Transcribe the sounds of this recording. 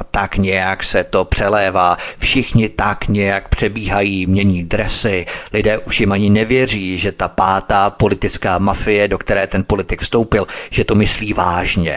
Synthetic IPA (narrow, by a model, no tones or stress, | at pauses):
t̪akɲɛjaksɛt̪o̞pr̝̥ɛlɛːvaːfʃɪxɲɪt̪akɲɛjak̚pr̝̥ɛbiːɦajiːmɲɛɲiːdɾɛsɪlɪdɛːʔuʃjɪmʔaɲɪnɛvjɛriːʒɛt̪apaːt̪aːpo̞lɪt̪ɪt͡skaːmafɪjɛdo̞kt̪ɛɾɛːt̪ɛnpo̞lɪt̪ɪkfst̪owpɪlʒ̥ɛt̪o̞mɪsliːvaːʒɲɛ̰